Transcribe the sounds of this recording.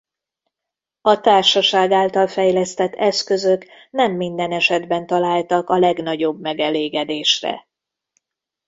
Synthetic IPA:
ɒt̪aːrʃɒʃaːɡaːlt̪ɒlfɛjlɛst̪ɛt̪ːɛskø̞zø̞k | nɛmːind̪ɛnɛʃɛd̪bɛnt̪ɒlaːlt̪ɒkɒlɛɡn̪ɒɟobmɛɡɛleːɡɛd̪eːʃrɛ̰

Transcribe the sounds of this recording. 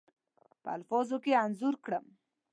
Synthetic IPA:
pə̰a̰lfɑzokeanzuɾkɽəm

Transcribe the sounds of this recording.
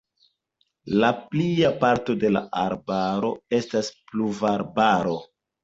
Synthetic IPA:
lapliapaɾto̞de̞la̰ʔaɾbaɾo̞e̞staspluvaɾbaɾo̞

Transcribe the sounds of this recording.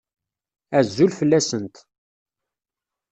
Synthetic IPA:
æzːulfəlːæsənt̪

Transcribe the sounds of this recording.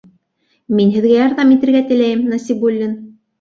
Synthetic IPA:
minɦɘ̆ðɡæjɑɾðɑmit̪ɘ̆ɾɡæt̪ɘ̆læjɘmnɑsʲibulʲːin

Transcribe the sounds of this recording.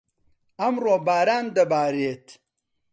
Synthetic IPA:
ɐmroːbaːɾaːnd̪ɐbaːɾeːt̪

